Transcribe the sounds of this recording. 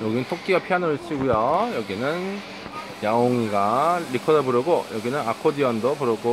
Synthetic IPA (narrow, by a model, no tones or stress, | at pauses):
jʌɡinɯntʰok͈iɡapʰianʌɾɯɭt͡ɕ͈ʰiɡujojʌɡinɯn | jaoŋiɡaɾikʰʌdʌbuɾɯɡojʌɡinɯnakʰodiʌndopuɾɯɡo